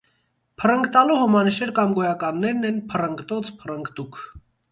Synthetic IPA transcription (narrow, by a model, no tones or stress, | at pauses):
pʰərəŋkt̪ɑluhɔmɑnəʃɛɾkɑmɡɔjɑkɑnːɛɾnɛnpʰərəŋɡt̪ɔt͡sʰpʰərəŋɡt̪ukʰ